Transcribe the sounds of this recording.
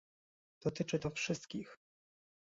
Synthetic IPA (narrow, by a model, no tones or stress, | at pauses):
d̪̥ɔt̪ɘt͡ʂɘt̪ɔfʂɘst̪kʲix